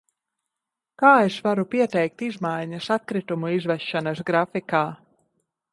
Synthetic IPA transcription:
kaːesvaɾupiɛt̪ɛjk̚t̪izmajɲɐsat̪̚kɾit̪umuizvɛʃːanɐsɡɾafikaː

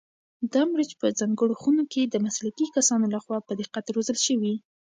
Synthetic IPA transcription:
d̪ɑmɾet͡ʃpəzɑŋɡəɽoxunoked̪əmaslakikasɑnolaxwɑpəd̪eqat̪aɾozəlʃəwi

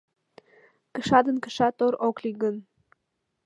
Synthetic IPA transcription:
kə̆ʃɑd̪ə̆nkə̥̆ʃɑt̪oɾokliɡən

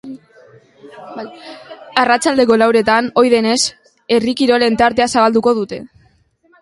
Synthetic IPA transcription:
arat͡ʃald̪e̞ko̞lawɾe̞t̪ano̞jðe̞ne̞s | e̞rikiɾo̞le̞nt̪aɾt̪e̞asaβald̪uko̞ð̞ut̪e̞

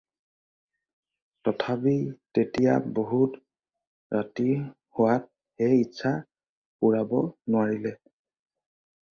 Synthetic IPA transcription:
tɔtʰapitetija̰boɦut | ɹati | hʊwat̚ | xejitːsʰa | puɹabɔnʊwaɹilɛ

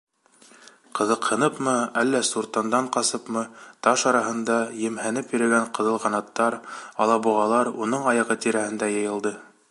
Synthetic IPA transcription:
qɤ̆ðɤqhɤ̆nɤpmɤælːæsuɾt̪ɑnd̪ɑɴqɑsɤpmɤt̪ɑʃɑɾɑɦɤ̆nd̪ɑjɘ̆mhænɘpjĭɾɘ̆ɡæɴqɤ̆ðɤlˠqɑnɑt̪ːɑɾɑlˠɑbuʁɑlˠɑɾunɤɴɑjɑʁɤt̪iɾæhɘ̆nd̪æjɤ̆jɤ̆lˠd̪ɤ

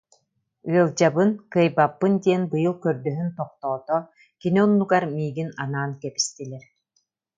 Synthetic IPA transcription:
ɯɐlˠd͡ʑabɯnkɯjbapːɯnd̪iɛnbɯjɯlˠkœɾd̪œɦynt̪ɔq̚t̪ɔːt̪ɔ | kiniɔnːuɡaɾmiːɡinanaːnkɛpi̥st̪ilʲɛɾ

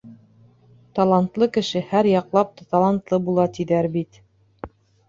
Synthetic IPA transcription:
t̪ɑlˠɑnt̪lˠɤkɘ̆ʃɘhæɾjɑqlˠɑp̚t̪ɑt̪ɑlˠɑnt̪lˠɤbulˠɑt̪iðæɾbit̪

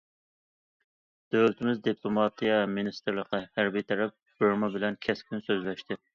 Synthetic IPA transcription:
d̪̥øwlt̪ʰɪmɪzd̪ipʰlˠomɑt̪ʰijɑminist̪ɾləqɑhæɾbijt̪ʰɛɾɛp̚boɾmɑbɪlɛnkʲʰɛskʲynsøzlɛʃt̪ʰɪ

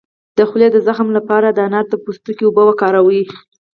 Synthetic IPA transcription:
d̪̥əxled̪əzaxmlapɑɾad̪əanɑɾt̪əpust̪ukiobəwakɑɾawi

